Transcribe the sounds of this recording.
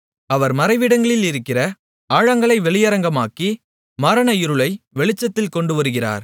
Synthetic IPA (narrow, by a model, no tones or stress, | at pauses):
ɐʋɐɾmɐɾɐɪʋɪɽɐŋɡɐɭɪlɪɾɯkːɪrɐ | aːɻɐŋɡɐɭɐɪʋɛɭɪjɐɾɐŋɡɐmaːki | mɐɾɐnɐɪɾɯɭɐɪʋɛɭɪt͡ʃːɐt̪ːɪlkɔɳɖɯʋɐɾɯɣɪra̰ːɾ